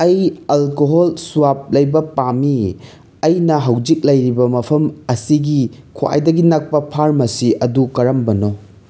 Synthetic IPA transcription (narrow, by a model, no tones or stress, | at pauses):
ɐjɐlkoɦolsuwap̚lɐjbɐpami | ɐjnɐɦɐwd͡ʒik̚lɐjɾibɐmɐpʰɐmɐsiɡikʰoa̰jdɐɡinak̚pɐpʰaɾmɐsiʔɐdukɐɾɐmbɐno